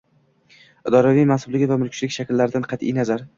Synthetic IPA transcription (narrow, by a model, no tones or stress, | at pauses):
ɪd̪ɒɾavijmansʊblɪɡʲɪvamʊlkʰʲt͡ʃlɪkʲʃakʲɪlːaɾɪd̪anqʰɑt̪ʰḭjnazaɾ